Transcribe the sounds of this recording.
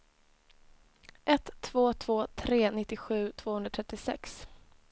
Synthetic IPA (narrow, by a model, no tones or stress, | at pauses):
ʔɛt̪ʰːvoːt̪ʰv̥oːt̪ʰɾeːnɪt̪ːɪɧʉ̟ːt̪ʰvoːhɵnɾat̪ʰɛt̪ːɪsɛ̰ks